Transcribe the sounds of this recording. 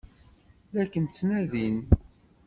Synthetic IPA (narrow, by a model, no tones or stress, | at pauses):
ðækːənt͡sːnæðin